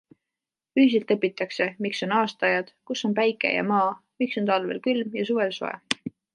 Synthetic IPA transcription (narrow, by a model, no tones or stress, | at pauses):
yhis̬elt̪ːˑɤpːˑit̪ːˑɑkse̞mikso̞nɑːst̪ɑjɑd̪̥kusːo̞npæjkːˑḛjɑ̰mɑː | mikso̞nt̪ɑlvḛlkylmjɑsuve̞lso̞̰ḛ